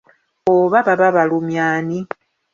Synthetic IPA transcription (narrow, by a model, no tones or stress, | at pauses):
oβaβaβaβalumjaːni